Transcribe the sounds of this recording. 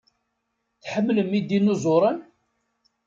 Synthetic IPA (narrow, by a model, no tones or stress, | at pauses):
θħəmːləmid̪inuzˤoɾˤən